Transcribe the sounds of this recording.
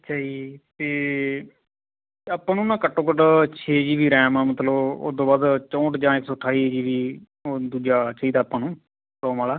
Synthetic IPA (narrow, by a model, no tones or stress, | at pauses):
ətːʃʰaːd͡ʒiːt̪eː | əpːãːnũːnãːkəʈːõːkəʈt͡ʃʰeːd͡ʒiːʋiːɾɛ̃ːmaːmət̪ləbo̰ːd̪õːbaːd̪t͡ʃɔ̃ːʈd͡ʒãːɪksɔːʈʰːaːiːd͡ʒiːʋiː | od̪uːd͡ʒaːt͡ʃaːiːd̪aːpːãːnũː | ɾɔːmaːlaː